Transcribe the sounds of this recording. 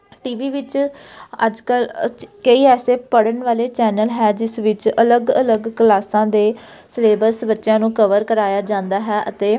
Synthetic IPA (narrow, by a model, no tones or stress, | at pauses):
ʈiːʋiːʋɪt͡ʃ | ə̰d͡ʒkəlkəiːɛːseːpəɽənʋaːleːt͡ʃɛːnəlɦɛːd͡ʒɪsʋɪt͡ʃələɡələɡkəlaːsãːd̪eː | sleːbəɾsbətːʃjãːnũːkəʋəɾkəɾaːjaːd͡ʒãːnd̪aːɦɛːʔət̪eː